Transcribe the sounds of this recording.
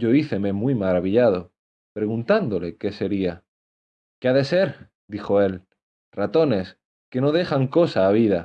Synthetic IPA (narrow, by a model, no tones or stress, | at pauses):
ɟ͡ʝo̞iθe̞me̞mwimaɾaβ̞iʎað̞o̞ | pɾe̞ɣunt̪and̪ole̞ke̞se̞ɾia | keaðe̞se̞ɾ | d̪ixo̞e̞l | rat̪o̞ne̞s | ke̞no̞ðe̞xaŋko̞saːβ̞iða